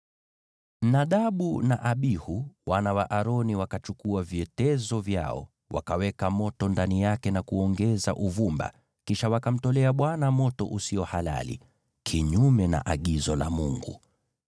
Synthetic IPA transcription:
m̩naɗaɓunaʔaɓihuwanawaʔaɾɔniwakat͡ʃukuaviɛtɛzɔvja̰ɔ̰ | wa̰kawɛkamɔtɔndanijakɛnakuɔŋɡɛza̰ʔuvumba̰ | kiʃawakam̩tɔlɛaɓwanamɔtɔ̰ʔusiɔhala̰lḭ | kʰiɲumɛna̰ʔaɠizɔla̰muŋɡu

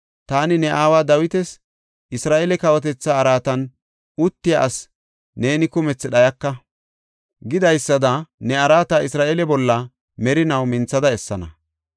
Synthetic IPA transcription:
t̪aːnɪnɛʔaːwaːd̪ɐwɪt̪ɛs | ʔɪsɾaːʔɛlɛkɐwɔt̪̬ɛt͡sːaːɾaːt̪ɐn | ʊt̪ːɪjaʔɐs | ne̞ːnɪkʊmɛt͡sːɛɗɐjɐkːɐ | ɡɪd̪ɐjsːɐd̪ɐnɛɐɾaːt̪aɪsɾaːʔɛlɛbɔlːɐ | mɛɾɪnɐwmɪnt͡sːɐd̪ɐɛsːɐnɐ

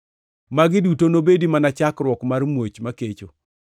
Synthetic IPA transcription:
maɡɪdutonobedimanat͡ʃakɾwɔkmarmwot͡ʃmaket͡ʃo

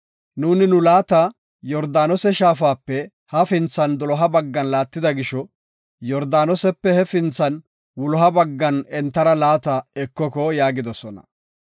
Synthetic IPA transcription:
nuːnɪnʊlaːt̪ɐ | jɔɾd̪aːnɔsɛʃaːfaːpːɛ | hɐfɪnt͡sːɐnd̪ɔlɔɦɐbɐɡːɐnlaːt̪ːɪd̪ɐɡɪʃɔ | jɔɾd̪aːnɔsɛpːɛhɛfɪnt͡sːɐn | wʊlɔɦɐbɐɡːɐnɛnt̪ːɐɾɐlaːt̪ɐɛkːɔkɔjaːɡɪd̪ɔsɔnɐ̰

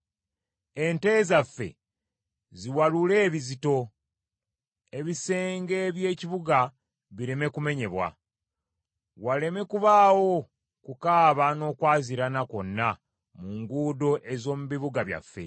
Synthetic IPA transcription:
e̞nte̞ːzafːe̞̰ | ziwalule̞ːβizito̞ | e̞βise̞ːŋɡe̞βje̞ːciβuɡa | βiɾe̞me̞kume̞ɲe̞βwa̰ | wale̞me̞kuβaːwo̞ | kukaːβano̞ːkwaːziɾanako̞nːa | muŋɡuːdo̞ʔe̞zo̞ːmuβiβuɡaβja̰fːe̞̰

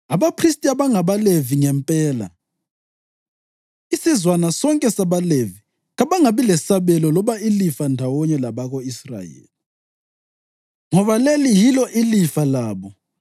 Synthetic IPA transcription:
aβapʰristʼiaβaŋaβaleviŋɛmpʼɛːla̰ | isizwanasɔŋkʼɛsaβalevi | ɣaβaŋaβilɛsaβɛlɔlɔβailifandʱawɔɲɛlaβaɣoisra̰jḛːli | ŋɔβalelijilɔʔilifalaːβɔ

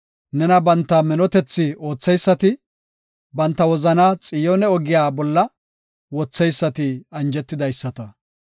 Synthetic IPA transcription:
nɛnɐbɐnt̪ːɐmɛnɔt̪ɛt͡sːɪo̞ːt͡sːɛjsːɐt̪ɪ | bɐnt̪ːɐwɔzɐnat͡sʼɪjɔnɛɔɡɪjaːbɔlːɐ | wɔt͡sːɛjsːɐt̪ɪɐnd͡ʒɛt̪ːɪd̪ɐjsːɐt̪ɐ

